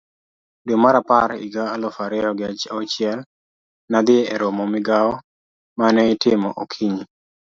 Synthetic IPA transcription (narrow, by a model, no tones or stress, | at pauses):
domaɾapaɾḭɡaːlɔfaɾɛɔɡɪat͡ʃaot͡ʃɪɛl | nad̪ɪɛɾomɔmɪɡaɔ | manɛɪtɪmɔ̰ʔokʰiɲi